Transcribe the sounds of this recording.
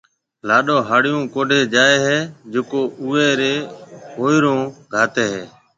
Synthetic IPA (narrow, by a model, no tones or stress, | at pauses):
laːɗoːɦaːɽɪjõːkoːɖʱeːd͡ʒaːeːɦeːd͡ʒokoːʔʊːeːɾeːɦoːiɾõːɡʱaːt̪eːɦeː